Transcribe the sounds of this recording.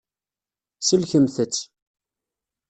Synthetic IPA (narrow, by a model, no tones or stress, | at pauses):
səlçəmθət͡sː